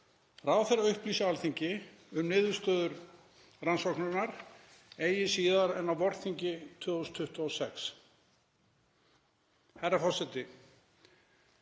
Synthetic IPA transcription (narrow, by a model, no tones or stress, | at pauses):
rawθɛjɾaœhpliːsɪalθiɲcɪ | ʏmnɪːðʏ̥st̪œːðʏɾ | ransɔknʏnaɾ̥ | eːjɪsiːðaɾɛnawvɔɾθiɲcɪt̪ʰœːɣɔʏst̪ʰʏht̪aɔsɛks | hajrɾːafɔ̥sɛt̪ɪ